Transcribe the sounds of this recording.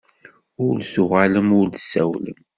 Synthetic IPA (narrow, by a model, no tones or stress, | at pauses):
ʊɾlsʊʁaləmʊɾdəsæwlə̰m